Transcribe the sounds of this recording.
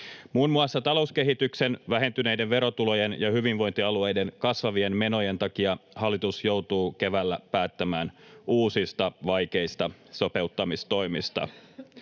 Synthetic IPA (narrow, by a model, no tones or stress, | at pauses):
muːnmuɑsːɑt̪ɑlo̞uske̞ɦit̪ykse̞nʋæɦe̞nt̪yne̞jdeʋʋe̞ɾo̞t̪ulo̞jenjɑhyʋinʋo̞jnt̪iɑlue̞jde̞nkɑsʋɑʋie̞nme̞no̞je̞nt̪ɑkiɑhɑlːit̪usjo̞wt̪uːke̞ʋælːæpæːt̪ːæmæːnuːsist̪ɑʋɑjke̞ist̪ɑso̞pe̞ut̪ːɑmist̪o̞jmist̪ɑ̰